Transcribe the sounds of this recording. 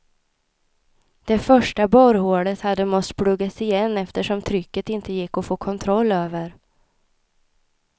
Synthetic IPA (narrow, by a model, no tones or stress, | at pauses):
d̪̥ɛfœʂʈabɔɾhoːɽət̪had̪ːəmɔst̪pʰɽɵɡːat̪sɪjɛnːɛft̪əʂɔmt̪ʰɾʏkːət̪ɪnt̪əjɪkːɔfoːkʰɔnt̪ʰɾɔlːøːvəɾ